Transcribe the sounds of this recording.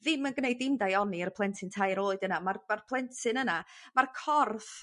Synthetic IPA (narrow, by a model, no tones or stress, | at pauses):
ðɪmənɡnejdɪmdajɔniərpʰlˠɛntʰɨntʰajɾoːɨdənamarmarpʰlˠɛntʰɨnənamarkʰɔrθ